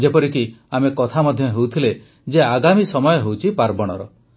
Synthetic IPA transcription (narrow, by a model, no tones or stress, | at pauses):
d͡ʒepɔɾikiamekɔt̪ʰamɔd̪ʱjɔɦewt̪ʰile | d͡ʒeaɡamisɔmɔjɔɦewt͡ʃʰipaɾbɔɽ̃ɔɾɔ